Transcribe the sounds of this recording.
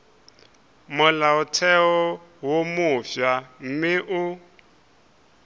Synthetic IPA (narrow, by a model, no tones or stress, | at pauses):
mʊlaʊtʰɛɔ | womʊfjam̩mɪʔʊ